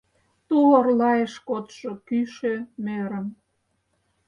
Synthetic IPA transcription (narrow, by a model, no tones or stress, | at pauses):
t̪uorlɑjeʃkot̪ʃokyʃømeɾə̆m